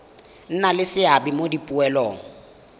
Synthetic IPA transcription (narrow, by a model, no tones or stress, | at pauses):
n̩nalɪsɪabimodipʼuɛlɔːŋ̩